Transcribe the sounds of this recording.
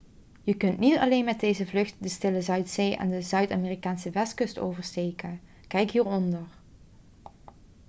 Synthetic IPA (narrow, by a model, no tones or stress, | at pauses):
jəkɵntnitɑ̰leːnmɛt̚dejzəvlɵxtdəstɪləzœɥtseːʔɛ̰ndəzœɥtɑːmeːrikaːnsəʋɛstkɵsto̰wvəɹsteːkən | kɛjkɦiːɹɔndəɹ